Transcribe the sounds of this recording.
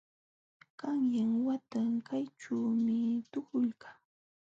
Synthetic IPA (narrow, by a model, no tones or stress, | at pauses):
kaŋjaŋwat̪aŋkajʈ͡ʂawmɪt̪ʊkʊlkaː